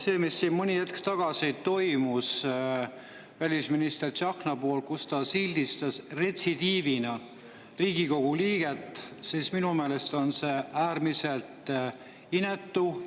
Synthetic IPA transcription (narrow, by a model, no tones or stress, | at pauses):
se̞ːmisːinmɯnʲiet̪kt̪ɑɡ̥ɑsit̪o̞jmus | vælʲisminist̪erɑknɑpo̞ːlkust̪ɑsild̪̥ist̪ɑsre̞t̪sid̪iːvinɑ | riːɡiko̞ɡ̥uliːɡ̥e̞t̪ːˑsisminume̞ːle̞st̪o̞nse̞æːrmise̞lt̪ | ine̞t̪ːu